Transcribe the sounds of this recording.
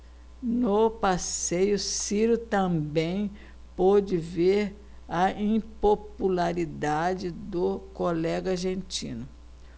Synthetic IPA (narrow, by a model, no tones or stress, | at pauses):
nopasejʊsiɾʊt̪ɐ̃bẽj̃ | pod͡ʒɪveɾ | ɐĩpopulaɾid̪ad͡ʒɪd̪ʊkolɛɡɐaɾʒẽnt͡ʃḭ̃nʊ